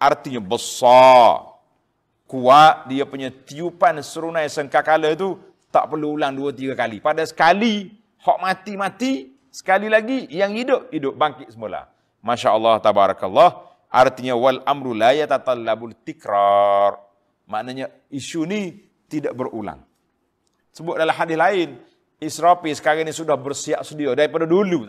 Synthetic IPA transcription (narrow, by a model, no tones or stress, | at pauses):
ʔart̪iɲəbəsɔ | kuaʔdiapuɲat̪iupansəɾunajsəŋkakalət̪u | t̪a̰ʔpərluːlaŋduat̪iɡakalipadasə̥kali | hɔʔmat̪imat̪i | sə̥kalilaɡijaŋidʊp̚idʊp̚baŋkɪʔ̪̚səmula̰ | maʃaʔəlːɑht̪abaɾakalːɑh | ʔa̰rt̪iɲawalʔamɾulajat̪at̪alːabʊlt̪ikɾɔr | ma̰ʔnaɲa | isuni | t̪idaʔbərṵla̰ŋ | səbʊt̪̚dalaɦadɪlaɪn | isɾapisə̥kaɾanisudahbərsiaʔsədiadaɾipadadulu